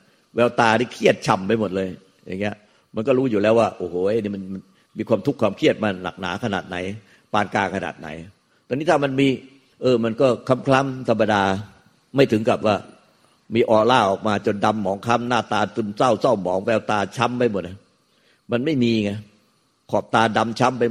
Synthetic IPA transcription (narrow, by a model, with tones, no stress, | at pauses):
wɛː˧wt̪aː˧niː˦˥˩kʰi˥˩ət̪̚t͡ɕʰa˧mpa˧jmo˨˩t̪̚lɤː˧j | ja̰˨˩ŋːi˦˥ɐ | ma˧nkɔː˥˩ɾuː˦˥juː˨˩lɛː˦˥waː˥˩ʔoː˧˩hoː˨˧˩ʔe˧˥˩niː˦˥˩ma˧nma˧n | miː˧kʰwaː˧mt̪ʰu˦˥kʰːwaː˧mkʰi˥˩ət̪̚maː˧na̰˨˩k̚na̰ː˩˦˥kʰa˧na̰ː˨˩t̪̚na̰˩˦j | paː˧nkaː˧kʰa˧na̰ː˨˩t̪̚na̰˨˩˦j | t̪ɔː˧ŋni˦˥t̪ʰa˥˩ma˧nmiː˧ | ʔɤː˧ma˧nkɔː˥˩kʰa˧˥mkʰla˦˥˩mt̪ʰa˧mːa˧daː˧ | ma˥˩jt̪ʰɯ˩˦ŋka˨˩p̚waː˥˩ | miː˧ʔɔː˧˩laː˧˥˩ʔɔː˨˩k̚maː˧t͡ɕo˧nda˧mːɔː˩˦ŋkʰa˦˥mnaː˥˩t̪aː˧t̪ɯ˧msa˥˩wsa˥˩wmɔː˩˦˥ŋwɛː˧wt̪aː˧t͡ɕʰa˦˥mpa˧jmo˨˩t̪̚a˧˩ | ma˧nma˥˩jmiː˧ŋa˧˥ | kʰɔː˨˩p̚t̪aː˧da˧mt͡ɕʰa˦˥mpa˧j